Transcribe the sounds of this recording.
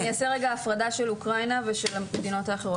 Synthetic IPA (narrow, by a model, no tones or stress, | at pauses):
niaseʁeɡaːfʁadaʃe̞lukʁajnaveʃelaed̪ino̞t̪aːχeʁo